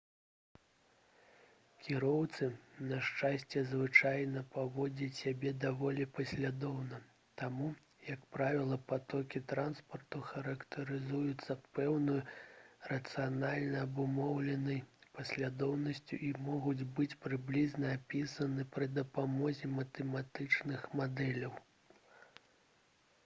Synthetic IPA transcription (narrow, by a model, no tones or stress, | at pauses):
kʲiɾɔwt̪sɨnɐʂt͡ʂasʲt͡sʲɛzvɨt͡ʂajnɐpavɔd͡zʲɐt͡sʲsʲabʲɛd̪avɔlʲipɐsʲlʲad̪ɔwnɐ | t̪amu | jɐkpɾavʲilˠɐpat̪ɔkʲit̪ɾanspɐrt̪uxɐɾɐkt̪ʰɐɾɨzujut̪sːɐpɛwnɨjrɐt̪sɨjanalʲnɐːbumɔwlʲɛnɐjpɐsʲlʲad̪ɔwnɐsʲt͡sʲuʔimɔɣud͡zʲbɨt͡sʲpɾɨblʲiznɐːpʲisɐnɨpɾɨd̪ɐpamɔzʲɛmɐt̪ɛmat̪ɨt͡ʂnɨxmad̪ɛlʲɐw